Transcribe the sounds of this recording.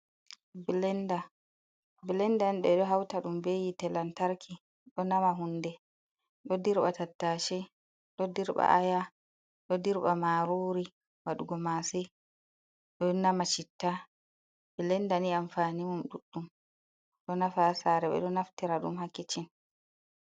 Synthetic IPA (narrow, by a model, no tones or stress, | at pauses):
bilɛnda | bilɛndanɗɛɗɔɦawtaɗumbejitɛlantaɾkʰi | ɗɔnamaɦundɛ | ɗɔdiɾɓatatːaʃɛ | ɗɔdiɾɓa̰ʔaja | ɗɔdiɾɓamaɾuːɾi | waɗuɡɔmasɛ | ɗɔnamat͡ʃitːa | bilɛndaniamfanimumɗuɗːum | ɗɔnafasaɾɛɓɛ̰ɗɔnaftiɾaɗṵmhakːit͡ʃin